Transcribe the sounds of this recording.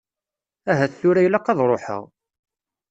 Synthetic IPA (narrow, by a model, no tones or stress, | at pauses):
æɦæθθʊɾæjlæqːɑðˤɾˤoħə̰ʁ